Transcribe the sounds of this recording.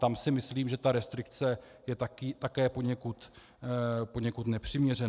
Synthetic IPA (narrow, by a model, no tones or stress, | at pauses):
t̪amsɪmɪsliːmʒɛt̪aɾɛst̪ɾɪkt͡sɛ | jɛt̪akit̪akɛːpo̞ɲɛkut̪ | po̞ɲɛkut̪nɛpr̝̥ɪmɲɛrɛn